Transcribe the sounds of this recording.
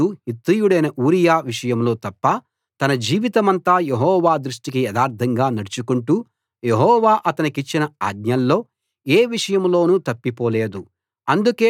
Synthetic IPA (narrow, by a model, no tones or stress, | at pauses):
uhit̪ɾijuɽɐjnɐʔuːɾijaːʋiʂɐjɐmlo̞ːt̪ɐpːɐ | t̪ɐnɐd͡ʒiːʋit̪ɐmɐnt̪aːjeɦɔːʋaːd̪ɾuʂʈikijɛd̪aːɾt̪ʰɐŋɡaːnɐɽut͡ʃukuɳʈuː | je̞ɦɔːʋaːʔɐt̪ɐnikit͡ʃːinɐa̰ːd̪ɲɐlːo̞ː | eːʋiʂɐjɐmlo̞ːnut̪ɐpːipoːle̞ːd̪u | ɐnd̪ukeː